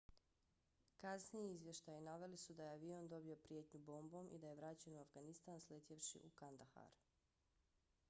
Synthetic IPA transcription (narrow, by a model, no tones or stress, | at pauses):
kasnijiizʋje̞ʃt̪aːjinaʋe̞lisud̪ajeaʋiond̪o̞bio̞pɾje̞ːt̪ɲubo̞mbo̞ːmʔḭd̪ajeʋɾaːt͡ɕe̞noafɡanist̪aːnslet̪jeʋʃḭʔukand̪axa̰ɾ